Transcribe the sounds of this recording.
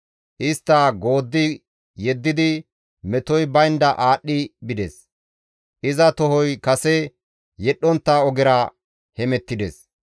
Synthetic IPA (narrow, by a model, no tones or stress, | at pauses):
ʔɪst̪ːɐːɡo̞ːd̪ːɪ | jɛd̪ːɪd̪ɪ | mɛt̪ɔjbɐjɪnd̪ɐʔaːɗːɪbɪd̪ɛ̰s | ʔɪzɐt̪ɔɦɔjkɐsɛ | jɛɗːɔnt̪ːaːɔɡɪɾɐ | hɛmɛt̪ːɪd̪ḛs